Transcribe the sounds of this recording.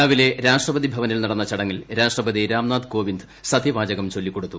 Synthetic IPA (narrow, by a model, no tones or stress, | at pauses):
aːʋile̞ɾaːʂrɐbɐd̪ibʱɐʋɐnilnɐɽɐnːɐt͡ɕɐɽɐŋːilɾaːʂrɐbɐd̪iɾaːmnaːd̪ko̞ːʋind̪ɨsɐd̪ʱiʋaːd͡ʑɐɣɐmt͡ɕo̞lːikːo̞ɽut̪ːu